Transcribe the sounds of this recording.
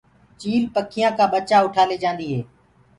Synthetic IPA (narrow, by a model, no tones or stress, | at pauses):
t͡ʃiːlpəkʰɪjãːkãːɓət͡ʃaːʊʈʰaːleːd͡ʒãːnd̪iːɦeː